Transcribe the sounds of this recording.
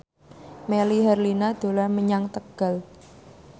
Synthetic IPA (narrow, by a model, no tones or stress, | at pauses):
meliɦɛrlinad̪̥o̤larməɲaŋt̪əɡ̥a̤l